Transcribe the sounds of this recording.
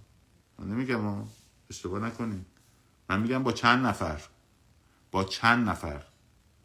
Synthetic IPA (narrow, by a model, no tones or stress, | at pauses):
nemiɡæmɒː | eʃt̪ebɒːnækʰoni | mænmiːɟæmbɒːt͡ʃʰænd̪næfæɾ | b̥ɒːt͡ʃʰænd̪næfæ̰ɾ